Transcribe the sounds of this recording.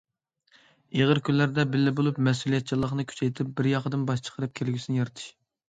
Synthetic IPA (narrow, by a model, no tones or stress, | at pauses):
eʁəɾkʲʰynlæɾd̪ɛbɪlːɪbolˠupmɛs̬ulˠijɛt̪̚t͡ʃʰilˠːəχnɨkʲʰy̥t͡ʃʰɛjt̪ʰɪp̚bɪɾjɑqəd̪ɨnbɑʃt͡ʃʰə̥qʰəɾɨp̚kʲʰelɡʲysɪnɪjɑɾɨt̪ʰɨ̥ʃ